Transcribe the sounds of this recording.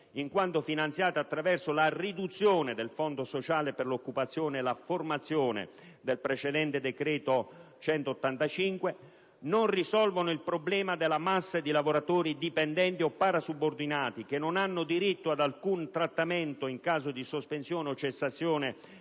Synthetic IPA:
iŋkwant̪ofinant̪sjaːt̪at̪ːɾavɛrsolarid̪ut̪sːjoːned̪elfɔnd̪osot͡ʃaːleperlokːupat̪sːjoːneːlaformat̪sːjoːnḛ | d̪elpɾet͡ʃed̪ɛnt̪ed̪ekɾɛːt̪ot͡ʃɛnt̪oːt̪ːant̪at͡ʃiŋkwe | nonrisɔlvonʊilpɾoblɛːmad̪elamasːad̪ilavoɾat̪oːɾid̪ipɛnd̪ɛnt̪iɔpːaɾasubord̪inaːt̪ikenːonanːʊd̪iɾit̪ːoad̪alkunt̪ɾat̪ːament̪oiŋkaːzod̪isospensjoːneot͡ʃːesːat̪sːjoːne

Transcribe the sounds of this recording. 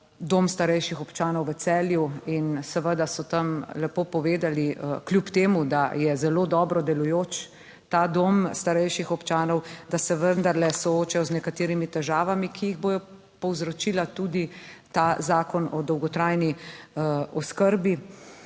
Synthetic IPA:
d̪oːmst̪aɾɛjʃixɔpt͡ʃaːnɔwʋət̪sɛːljuinsɛʋəd̪asɔt̪əmlɛpoːpɔʋeːd̪aliəklʲjupt̪eːmud̪ajɛzɛloːd̪ɔːbɾɔd̪ɛlujoːt͡ʃ | t̪aːd̪oːmst̪aɾɛjʃixɔpt͡ʃaːnɔwd̪asɛʋənd̪aɾlɛsɔoːt͡ʃɛjɔznɛkat̪eːɾimit̪ɛʒaːʋamikʰijiɣboːjɔ | pɔwzɾɔt͡ʃilat̪ud̪it̪azaːkɔnɔd̪ɔwɡɔt̪ɾajni | ɔskəɾbi

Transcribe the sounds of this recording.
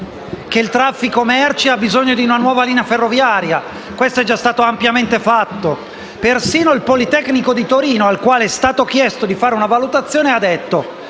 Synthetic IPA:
k̟eilt̪ɾafːikomɛrt͡ʃiabizoɲːod̪iunanwɔːvaliːneaferːovjaːɾja | kwest̪oɛd͡ʒːast̪aːt̪oampjament̪efat̪ːo | persiːnoilpolit̪ɛknikod̪it̪oɾiːnoalkwaːleɛst̪aːt̪ok̟jɛst̪od̪ifaːɾeunavalut̪at̪sːjoːnead̪ɛt̪ːo

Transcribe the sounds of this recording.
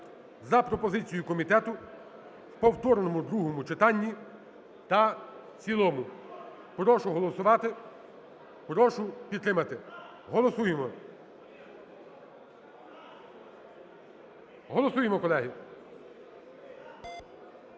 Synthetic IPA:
zɐpɾɔpɔzɪt͡sʲijʊkɔmʲit̪ɛt̪ʊ | wpɔwt̪ɔrnɔmʊd̪ɾuɦɔmʊt͡ʃet̪ɑnʲːi | t̪ɐ | t͡sʲilˠɔmʊ | pɾɔʃʊɦɔlˠɔsʊʋɑt̪ɪ | pɾɔʃʊpʲid̪̚t̪ɾɪmɐt̪ɪ | ɦɔlˠɔsujemɔ | ɦɔlˠɔsujemɔkɔlˠɛɦi

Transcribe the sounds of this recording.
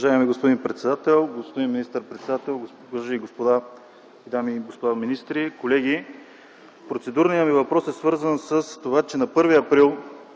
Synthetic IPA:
ʊvɐʒaɛmiɡospod̪inpɾɛt̪sɛd̪at̪ɛlˠɡospod̪inminist̪əɾpɾɛt̪sɛd̪at̪ɛlˠ | aʒaiɡospod̪a | d̪amiɡospod̪aminist̪ɾikolɛɡ̟i | pɾot̪sɛd̪uɾnijəmivɐpɾɔsɛsvɤɾzənsəst̪ovat͡ʃɛnɐpɤɾviɐpɾilˠ

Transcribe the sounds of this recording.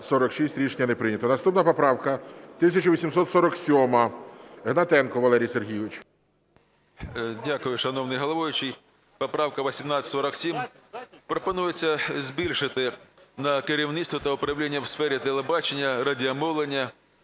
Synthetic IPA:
sɔɾɔkʃisʲtʲɾʲiʃnʲɐnepɾɪnʲɐt̪ɔnɐst̪upnɐpɔpɾɑwkɐt̪ɪsʲɐt͡ʃʊʋʲisʲimsɔt̪sɔɾɔksʲɔmɐɦnɐt̪ɛnkɔʋɐlˠɛɾʲijserɦijʊʋɪt͡ʃʲ | dʲakʊjʊʃɐnɔwnɪjɦɔlˠɐʋɔjʊt͡ʃij | pɔpɾɑwkɐʋɔsʲimnɑɐsɔɾɐksʲimpɾɔpɔnujet͡sʲːɐzʲbʲilʲʃɪt̪ɪnɐkeɾʲiwnɪst̪ʋɔt̪ɐʊpɾɐwlʲinʲːɐwsfɛɾʲit̪elˠebɑt͡ʃenʲːɐɾɐdʲiɐmɔwlˠenʲːɐ

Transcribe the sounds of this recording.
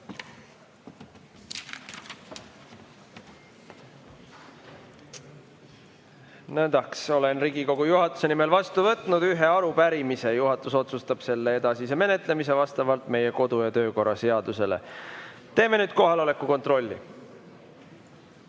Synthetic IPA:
nænd̪̥ɑkso̞le̞nriːɡ̥iko̞ɡ̥ujuɦɑt̪ːˑu̥se̞nime̞lvɑst̪uvɤt̪ːˑnud̪̥yɦe̞ɑɾupæɾimise̞juɦɑt̪ːˑuso̞t̪sust̪ɑb̥se̞lːeed̪̥ɑsiseme̞ne̞t̪ˑle̞mis̬e̞vɑst̪ɑvɑlt̪me̞je̞ko̞d̪̥ujɑt̪ø̞ːko̞rːɑse̞ɑd̪̥use̞le̞̰ | t̪e̞ːme̞nyːd̪̥̚ko̞ɦɑlo̞le̞kːˑuko̞nt̪ro̞lʲːḭ

